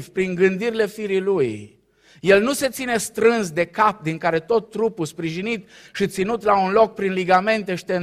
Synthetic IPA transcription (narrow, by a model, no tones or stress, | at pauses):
vpɾiŋɡɨnd̪iɾile̞fiɾiluj | je̞lnuse̞t̪sine̞st̪ɾɨnsd̪e̞kap̚d̪iŋkaɾe̞t̪o̞t̪ːɾupuspɾiʒinit̪ | ʃit̪sinut̪launlo̞k̚pɾinliɡame̞nt̪e̞ʃi̥t̪en